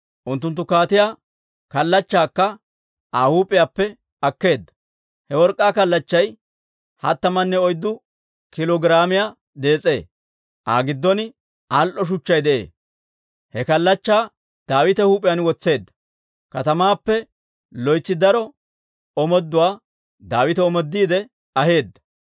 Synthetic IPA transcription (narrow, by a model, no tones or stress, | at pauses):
ʔʊnt̪ːʊnt̪ːʊkaːt̪ɪjaː | kɐlːɐt͡ʃːaːkːɐ | ʔaːhuːpʼːɪjaːpːɛ | ɐkːe̞ːd̪ːɐ̥ | hɛwɔɾkʼːaːkɐlːɐt͡ʃːɐj | hɐ̰t̪ːɐmɐnːɛɔjd̪ːʊ | kɪlɔɡɪɾaːmɪjaː | d̪e̞ːt͡sʼe̞̰ː | ʔa̰ːɡɪd̪ːɔn | alʔɔʃ̬ʊt͡ʃːɐjd̪ɛʔḛː | hɛkɐlːɐt͡ʃːaː | d̪̥aːwɪt̪ɛhuːpʼɪjanwɔt͡sːe̞ːd̪ːɐ̥ | kɐt̪ɐmaːpːɛ | lɔjt͡sːɪd̪ɐɾɔ | ɔmɔd̪ːʊwaː | d̪aːwɪt̪ɛɔmɔd̪ːiːd̪ɛ | ɐɦe̞ːd̪ːɐ̥